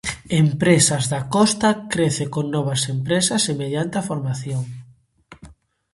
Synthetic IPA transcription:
empɾesɐzðakɔst̪ɐkɾeθekoŋnɔβɐsempɾesɐsemeðjant̪eafoɾmaθjoŋ

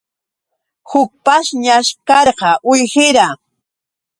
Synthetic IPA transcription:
hʊk̚paʃɲaʃkɑɾqɑʔʊjhɪɾa

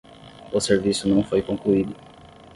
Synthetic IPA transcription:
ʊseɾvisʊnɐ̃w̃fojkõkluid̪ʊ

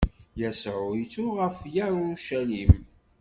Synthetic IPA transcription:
jæsʕʊit͡sʊʁəfjæɾʊʃælim

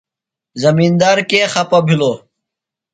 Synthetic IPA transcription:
zɐmiːnd̪aːɾkeːxɐpɐbʱiloː

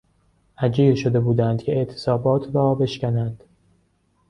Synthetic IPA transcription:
ʔæd͡ʒiːɾʃo̞d̪e̞buːd̪ænd̪̚cʲʰe̞eʔt̪ʰe̥sɒːbɒːt̪ʰɾɒːbe̞ʃcʲænænd̪̥

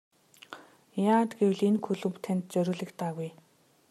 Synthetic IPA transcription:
jaːt̪ɡew̆ɮenkʰɵɮɵ̆mpt̪ʰænʲt̪̚t͡sœɾʲɵːɮɘ̆kt̪aːɣuj

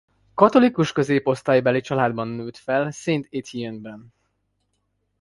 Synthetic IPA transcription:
kɒt̪o̞likuʃkø̞zeːpo̞st̪aːjbɛlit͡ʃɒlaːd̪bɒnːøːt̪fɛlseːnt̪et̪ʰiɛnbɛn

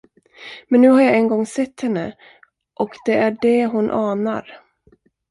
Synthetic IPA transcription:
mɛnːʉ̟ːhaɾjaɛnɡɔŋːsɛt̪ːhɛnːə | ʔɔkd̪ɛʔæɖɛɦʊnʔɑːna̰ɾ

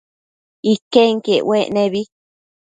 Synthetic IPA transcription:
ikeŋkeweʔnẽβi

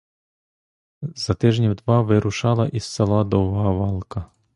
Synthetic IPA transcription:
z̥ɐt̪ɪʒnʲiwd̪ʋɑʋɪɾʊʃɑlˠɐʔissɐlˠad̪ɔwɦɐʋɑlˠkɐ

